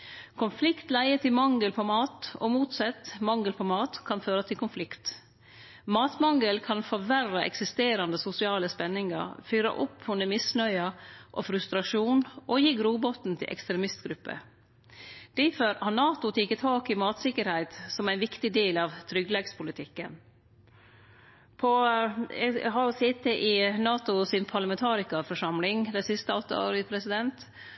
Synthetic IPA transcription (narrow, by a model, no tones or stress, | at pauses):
kʰʊnflɪkt̪læɪət̪ʰɪlmɑŋːəlpʰɔmɑːt̪o̰ːmuːt̪sɛt̪ːmɑŋɡəlpʰɔmɑːt̪kʰɑnføːɾɑt̪ʰɪlkʰʊnflɪkt̪ | mɑːt̪mɑŋːəlkʰɑnfɔʋærɑʔɛ̰ksɪst̪eːɾɑnd̪əsʊsɪɑːləspɛnːɪŋɑ̰ɾfyːɾɑ̰ʔʊpːhʉnd̪əmɪsnœʏɑʔofɾʉst̪ɾɑʂuːnʔojiːɡɾuːbɔt̪n̩t̪ʰɪ̰ʔɛ̰kst̪ɾɛmɪst̪ɡɾʉpːə̰ | d̪̥ɪføɾɑnɑːt̪ʊt̪ʰɪkːət̪ʰɑːkɪmɑːt̪sɪkəɾhæɪt̪sɔmæɪnʋɪkt̪ɪd̪eːlɑʋt̪ʰɾʏɡlɛɡspʰʊlɪt̪ʰɪkːən | pʰɔ | hɑsɪt̪ːəʔɪnɑːt̪ʊsɪnpʰɑɭɑmɛnt̪ʰɑːɾɪkɑfɔʂɑmlɪŋd̪æɪsɪst̪əɔt̪ːə̰o̰ːɾəɪpʰɾɛsɪd̪ɛnt̪